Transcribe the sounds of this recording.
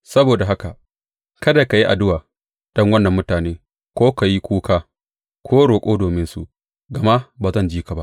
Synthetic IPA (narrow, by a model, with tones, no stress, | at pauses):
sɐ˦boː˨da˨ɦa˦ka˨ | kɐ˦da˨ka˨ji˦ʔa˨dʊ˦waː˨ | d̥ɐ˦ŋwɐ˦nːɐ˨mːʊ˦taː˨neː˦ | kʷoː˦ka˨ji˦kʷuː˦kaː˦ | kʷʰoː˦ɽoː˨kʷʼoː˦doː˨mɪ˦nsu˦ʔ | ɡɐ˨ma˦baː˨zɐ˦˨nd͡ʒiː˦ka˨ba˦ʔ